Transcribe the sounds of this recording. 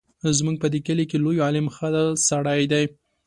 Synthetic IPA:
zmuɡ̚pəd̪ekəlikelojɑlɪmxəd̪saɽajd̪aj

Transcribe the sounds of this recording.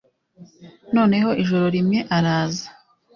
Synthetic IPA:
no̞ːne̞ɦo̞ʔiʒo̞ɾo̞ɾimŋe̞ʔaɾaːzḁ

